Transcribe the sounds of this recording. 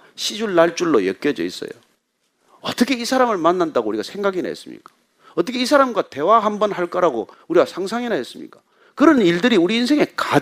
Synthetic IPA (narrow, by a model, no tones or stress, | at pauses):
ɕʰid͡ʑuɭːaɭt͡ɕ͈uɭːojʌk͈jʌd͡ʑʌ̰is͈ʌ̰jo̰ | ʌt͈ʌkʰe̞isʰaɾamɯɭmanːandaɡouɾiɡasʰe̞ŋɡaɡina̰ɦḛs͈ɯmɲḭk͈ḁ | ʌt͈ʌkʰeisʰaɾamɡwate̞waɦambʌnɦaɭk͈aɾaɡo | uɾiɡasʰaŋsʰaŋinaes͈ɯmɲḭk͈ḁ | kɯɾʌniɭdɯɾiuɾiːns̬ʰe̞ŋe̞ka